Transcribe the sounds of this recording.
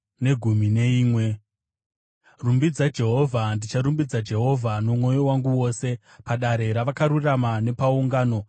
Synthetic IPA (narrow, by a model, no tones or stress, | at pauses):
ne̞ɡʱumine̞iːmwe̞ | rumbid͡zad͡ʒe̞ɦo̞vʱandit͡ʃaɾumbid͡zad͡ʒe̞ɦo̞vʱanomwo̞jo̞waŋɡuwo̞ːse̞ | paɗaɾe̞ɾaʋakaɾuramane̞pauŋɡaːno̞